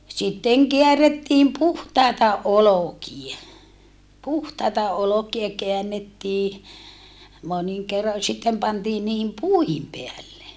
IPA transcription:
sitːeŋ keæretːiːm puhtɑˑetɑ olokie puhtɑitɑ olokie keænːetːiː moniŋ kerːo jɑ sitːem pɑntiːn niːhim puihim peælːe

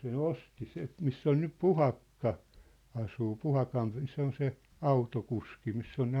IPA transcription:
sen osti se misː on nyp puhɑkːɑ ɑsuː puhɑkɑn se on se ɑutokuski misː on ne

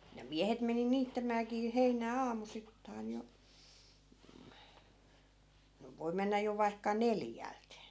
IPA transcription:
jɑ miæhet meni niːtːæmæːkiː heinæː ɑːmusitːɑin jo no ʋoi menːæ jo ʋɑikːɑ neljælt

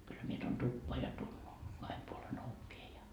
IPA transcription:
kylːæ mie tuon tupːoɑ jɑ tu kɑhem puolen oʋːie jɑ

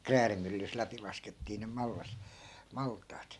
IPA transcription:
kræːrimylːys læpi lɑsketːiː nem mɑlːɑs mɑltˑɑːt

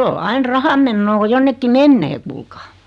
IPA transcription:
o ɑin rɑhɑmːenːoː ko jonːekːi menːeː kuːlkɑː

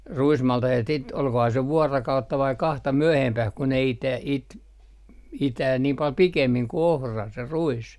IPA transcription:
ruismɑltɑhet sit olkohɑː se ʋuɑrɑkɑutːɑ ʋɑi kɑhtɑ myøhempæh ku ne ite it itæː niːm pɑl pikemːiŋ ku ohrɑ se ruis

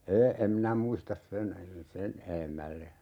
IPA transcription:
eː em minæ muistɑs sen sen eemælːe

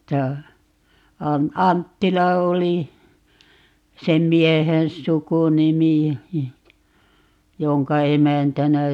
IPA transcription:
tæː ɑm ɑntːilɑ oli sem miehen sukunimi joŋkɑ emæntænæ

